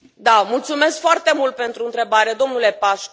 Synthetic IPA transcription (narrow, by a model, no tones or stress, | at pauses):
d̪amult̪sume̞skfoart̪e̞mult̪̚pe̞nt̪ɾuɨnt̪ɾe̞baɾed̪o̞mnule̞paʃ